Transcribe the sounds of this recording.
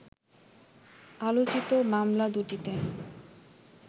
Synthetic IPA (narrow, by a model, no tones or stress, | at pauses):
alot͡ɕit̪omamlad̪uʈit̪e